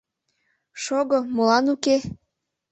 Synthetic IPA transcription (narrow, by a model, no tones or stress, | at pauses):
ʃoɣomolɑnuke